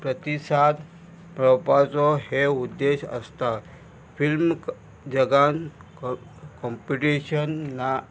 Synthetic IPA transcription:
pɾət̪isad̪ | mɾɔwpat͡sɔɦeud̪ːeɕə̰st̪a | film | d͡ʑəɡan | kɔmpiʈiɕənːa

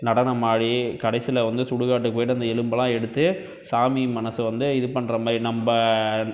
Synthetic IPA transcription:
nɐɽɐnɐmaːɻikɐɽɐɪsɪlɐʋɐnd̪ɯsʊɽɯɣaːʈ̬ːɯkːoːjʈːɯɐnd̪ɐɛlɯmbɐlãːɛɽɯt̪ːɯ | saːmimɐnɐsɯʋɐnd̪ɯɪðɯpɐnːɾɐmaːɾinɐmbɐ

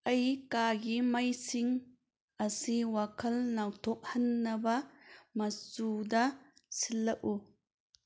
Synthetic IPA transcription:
ʔɐjkaːɡimɐjsiŋ | ʔɐsiwakʰɐlnawtʰɔk̚hɐnːɐbɐmɐsudɐsilːɐk̚u

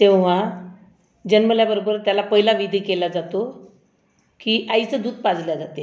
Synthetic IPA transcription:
t̪eʋʋ̤a | d͡ʑənməljabəɾobəɾt̪jalapəɦilaʋid̪ʱiːkelad͡zat̪o | kiːʔait͡səd̪uːd̪̚pad͡zljad͡zat̪e

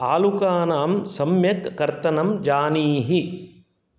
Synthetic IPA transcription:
aːlukaːnaːmsɐmjɐkːɐɾt̪ɐnɐmd͡ʒaːniːɦi

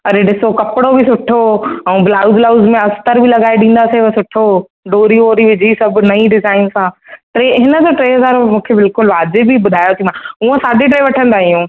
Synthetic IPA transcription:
ɐɾeɖɪsokɐpɪɽobʱɪsʊʈʰoɛ̃blaːʊzlaːʊzmẽɐst̪əɾbʱɪlɐɠaːeɗĩːn̆d̪aseʋsʊʈʰo | ɖoːɾioːɾiʋɪd͡ʑʱisɐb̆ʱnɐĩɖɪzaːɪnsãʈɾeːɦɪnə̆d͡ʑoʈɾeːɦɐzaːɾmũːkʰebɪlkʊlʋaːzebʱibʊd̪ʱaːjot̪ʰimãuə̃saːɗiʈ̬ɾeːʋɐʈʰə̃nd̪aːɦijũː

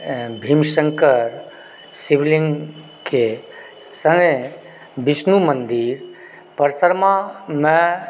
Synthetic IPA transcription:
bʱimʃəŋkəɾ | siʋlĩŋɡ | ke | sə̃ŋɡə | bisnumə̃nd̪iɾ | pəɾsəɾmamɛ̃

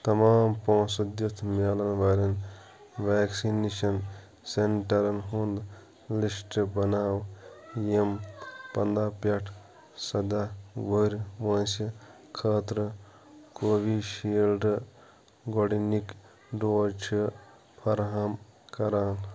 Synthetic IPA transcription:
t̪ɐmaːmpõːsɐd̪jɐt̪ʰmaːlɐnʋaːɾɐn | ʋaːksineʃɐn | seɳʈɐɾɐnɦund̪ | lisʈbɐnaːwjempɐnd̪aːpɐʈʰ | sɐd̪aːɡoɾʲʋɐnsɐ | kʰəːt̪ɾə | koːʋiʃiːlɖ | ɡoɽinik | ɖoːt͡ʃʰi | pʰɐɾɦam | kɐɾaːn

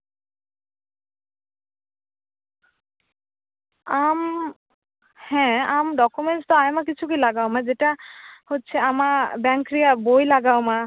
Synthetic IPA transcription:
am | hɛ̃amɖɔkumenstɔajmak̬it͡ɕʰukujlaɡawmãzeʈahotːsʰɛamabɛŋkɹijabojlaɡawma

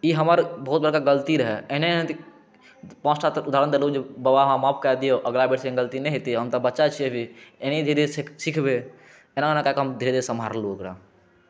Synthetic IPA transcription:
iɦəməɾbəɦut̪̚bəɾkaɡəlt̪iɾəɦɛeneẽt̪i | pãt͡ʃʈat̪ɾud̪ʱaɾənd̪eɾlod͡ʒebəbaɦmɦãmãp̚kɛd̪ijoʔəɡlabeʈseɡəlt̪inɛ̃ɦet̪iɦəmt̪əbətːʃat͡ʃʰiebʱiened̪ʱiɾesikʰbe | enaenakakɦəmd̪ʱiɾed̪eɾsəmʱa̰ɾluəkɾa̰

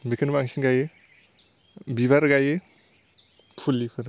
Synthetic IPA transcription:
bekʰɯnbaŋsinɡaje | biβaɾɡaje | pʰulːikʰɯɾ

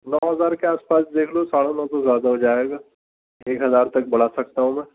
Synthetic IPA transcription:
nɔːɦɐzaːɾkeaːspaːsd̪eːkʰlosaːɽanɔ̃ːt̪ozjaːd̪aɦod͡ʒaːeːɡaː | eːkɦɐzaːɾt̪ɐk̚bɐɽ̤asɐk̚t̪aɦũmɛ̃ː

